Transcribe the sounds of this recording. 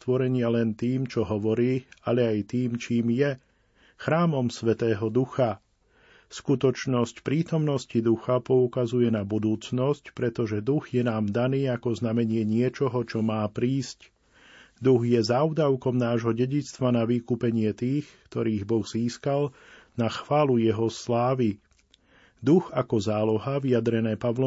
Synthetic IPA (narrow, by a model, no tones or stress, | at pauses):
t̪ʋɔɾɛɲɪalɛnt̪iːmt͡ʃɔɦɔʋɔɾiːaʎɛajt̪iːmt͡ʃiːmjɛ | xɾaːmɔmsʋɛt̪ɛːɦɔd̪uxa | skut̪ɔt͡ʃnɔscpɾiːt̪ɔmnɔscid̪uxapɔukazujɛnabud̪uːt͡snɔscpɾɛt̪ɔʒɛd̪uɣjɛnaːmd̪aniːakɔznamɛɲɪɛɲɪɛt͡ʃɔɦɔt͡ʃɔmaːpɾiːsc | d̪uɣjɛzaʊd̪aʊkɔmnaːʒɦɔɟɛɟit͡st̪ʋanaʋiːkuːpɛɲɪɛt̪iːxkt̪ɔɾiːɣbɔɣziːskalnaxʋaːlujɛɦɔslaːʋi | d̪uɣakɔzaːlɔɦaʋijad̪ɾɛnɛːpaʋlɔ